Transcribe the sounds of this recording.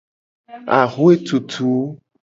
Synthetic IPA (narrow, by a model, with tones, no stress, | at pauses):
a̰˨ɣo˦e˦t̪u˨t̪ʰu˨˦